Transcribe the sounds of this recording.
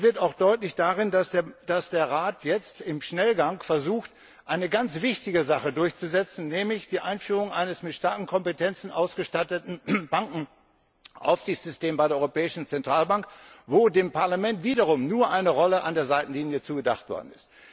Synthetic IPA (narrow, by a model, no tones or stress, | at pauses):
v̥ɪɐtaʊxd̥ɔʏtlɪçd̥aʁɪnasd̥asd̥eːɐʁaːtʰjɛt͡stɪmʃnɛlɡaŋfɛɐzuːxt | ʔaɪnəɡant͡sv̥ɪçtɪɡəzaχədʊɐçt͡suzɛt͡sn̩nɛːmlɪçd̥iːʔaɪnfyːʁ̞ʊŋʔaɪnəsmɪtʃtaɐkŋ̩kʰɔmpətʰɛnt͡sn̩ʔaʊsɡ̥əʃtatətn̩b̥aŋkŋ̩ | ʔa̰ʊfz̥ɪçt͡ssz̥ʏsteːmbaɪɾeɐɔʏʁopɛːɪʃn̩t͡sɛntʁ̥aːlbaŋkvoːdeːmpaɐlamɛntv̥iːdɐʁ̞ʊmnuːɐʔaɪnəʁɔləʔa̰ndeːɐzaɪtn̩liːnjət͡suːɡəda̰χtv̥ɔ̰ɐdn̩ɪst